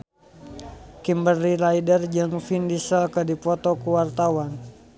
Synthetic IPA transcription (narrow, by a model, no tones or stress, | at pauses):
kimbərːilaidərd͡ʒəŋfindisəlkədipɔt̪ɔkuwart̪awan